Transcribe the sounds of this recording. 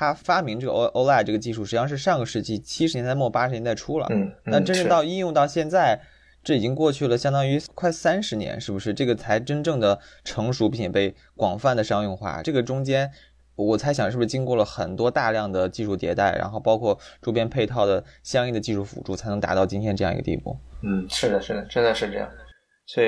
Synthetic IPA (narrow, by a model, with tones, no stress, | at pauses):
t̪ʰa˥fa˥mi˧˥ŋʈ͡ʂɤ˥˩ɡə˧˥ʔo˥ʊla˥˩ʈ͡ʂɤ˥˩ɡə˩t͡ɕi˥˧ʂu˥˩ʂɻ̩˧˥jɑ˥˧ŋʂɻ̩˥˧ʂɑ˥˩ŋɡə˩ʂɻ̩˥˧t͡ɕi˥˩t͡ɕʰi˥ʂɻ̩˧˥jɛ˧˥nt͡sa˥˧ɪmɔ˥˩pa˥ʂɻnjɛ˧˥nt͡sa˥˩ɪʈ͡ʂʰu˥lə̰˨˩na˥˩ʈ͡ʂə˥nʈ͡ʂɤ˥˧t̪ɑ˥˧ʊi˥˧njʊ˥˧t̪ɑ˥˧ʊɕjɛ˥˧nt͡sa˥˩ɪ | ʈ͡ʂɤ˥˩i˨˩t͡ɕi˥ŋkwɔ˥˧t͡ɕʰy˥˩lə˩ɕjɑ˥ŋt̪ɑ˥ŋy˧˥kʰwa˥˩ɪsa˥nʂɻ̩˧˥njɛ̰˧˥nʂɻ̩˥˩bu˩ʂɻ̩˥˧ʈ͡ʂɤ˥˩ɡə˩t͡sʰa˧˥ɪʈ͡ʂə˥nʈ͡ʂɤ˥˩ŋd̪ə˩ʈ͡ʂʰɤ˧˥ŋʂu˧˥pi˥˩ŋt͡ɕjɛ˨˩pe˥˩ɪ | kwɑ˨˩ŋfa˥˩nd̪ə˩ʂɑ˥ŋʊ˥˧ŋxwa̰˥˩ʈ͡ʂɤ˥˩ɡə˩ʈ͡ʂʊ˥ŋt͡ɕjɛ˥n | wɔ˨˩t͡sʰa˧˥ɪɕjɑ˨˩ŋʂɻ̩˥˩bu˧ʂɻ̩˥˧t͡ɕi˥ŋkwɔ˥˩lə˩xə˨˩nt̪wɔ˥t̪a˥˧ljɑ˥˩ŋd̪ə˩t͡ɕi˥˧ʂu˥˩t̪jɛ̰˧˥t̪a˥˩ɪɻa̰˧˥nxo˥˩ʊpɑ˥ʊkʰwɔ˥˩ʈ͡ʂo˥p̬jɛ˥npʰe˥˧ɪt̪ʰɑ˥˩ʊd̪ə˩ɕjɑ˥ŋi˥˩d̪ə˩t͡ɕi˥˧ʂu˥˩fṵ˨˩ʈ͡ʂu˥˩t͡sʰa˧˥ɪnɤ˧˥ŋt̪a̰˧˥t̪ɑ˥˩ʊt͡ɕi˥nt̪ʰjɛ˥nʈ͡ʂɤ˥˧jɑ˥˩ŋḭ˧˥ə˧t̪ḭ˥˧˩pṵ˥˩n̩˥˩ʂɻ̩˥˩d̪ə˩ʂɻ̩˥˩d̪ə˩ʈ͡ʂə˥nd̪ə˨˧ʂɻ̩˥˧ʈ͡ʂɤ˥˧jɑ̰˥˩ŋ˩ | swɔ˥i˨˧˩